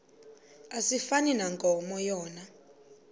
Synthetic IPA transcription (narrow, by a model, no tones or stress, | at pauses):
asifaninaŋɡʼɔmɔjɔːna